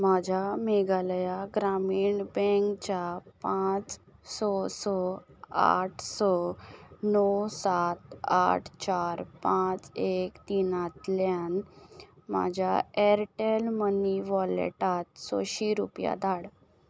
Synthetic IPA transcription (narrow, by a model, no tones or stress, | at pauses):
mad͡ʑʱameɡaljaɡɾamiːɳbɛŋkt͡ɕapãt͡s | sɔsɔa̰ʈʰsɔ | nɔwsat̪a̰ʈʰt͡ɕaɾpãt͡sekt̪inat̪ljan | ma̰d͡ʑʱja̰ɛɾʈelməniʋɔlḛʈat̪sɔ̰ɕiɾṵpja̰d̪aɽ